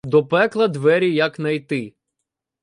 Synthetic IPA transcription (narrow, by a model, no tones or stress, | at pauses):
d̪ɔpɛklˠɐd̪ʋɛɾʲijɐknɐjt̪ɪ